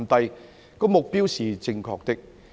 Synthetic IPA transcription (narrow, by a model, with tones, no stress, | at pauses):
nt̪ɐ˧j | kɔː˧mʊ˨k̚piː˥wsiː˨˩t͡sɪ˧ŋkʰɔ̰ː˧k̚t̪ɪ˥k̚